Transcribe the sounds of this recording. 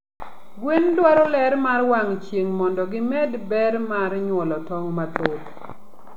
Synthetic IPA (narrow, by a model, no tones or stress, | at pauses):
ɡwendwaɾɔlɛɾmarwaŋt͡ʃjeŋmɔndɔɡɪmɛdbɛɾmaɾɲwɔlɔtɔŋmatot